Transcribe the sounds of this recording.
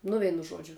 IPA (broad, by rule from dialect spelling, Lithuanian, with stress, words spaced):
nʊ ˈʋʲɛɪnʊ ˈʒuɔd͡ʒʲʊ